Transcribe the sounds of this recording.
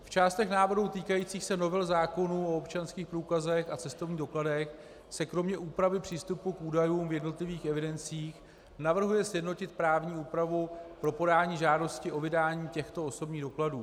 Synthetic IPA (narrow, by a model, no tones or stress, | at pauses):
ft͡ʃaːst̪ɛxnaːvɾɾut̪iːkajiːt͡siːxsɛno̞vɛlzaːko̞nuo̞opt͡ʃanskiːxpɾuːkazɛxat͡sɛst̪o̞vɲiːdo̞kladɛx | sɛkɾo̞mɲɛʔuːpɾavɪpr̝̥iːst̪upukʔuːdajuːmvjɛdno̞t̪lɪviːxɛvɪdɛnt͡siːx | navr̩ɦujɛsjɛdno̞cɪt̪̚pɾaːvɲiːuːpɾavupɾo̞po̞daːɲiːʒaːdo̞scɪʔo̞vɪdaːɲiːcɛxt̪o̞oso̞bɲiːɣdo̞kladuː